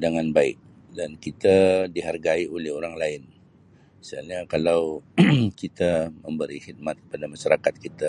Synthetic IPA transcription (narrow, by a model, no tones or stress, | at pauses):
daŋanbaɪ̰k̚ | dankit̪adiɦarɡaiolɛhoɾaŋlaɪn | səalɲakalawkit̪aməmbəɾihid̪̚mat̪̚kəpadamaʃaɾakat̪̚kit̪a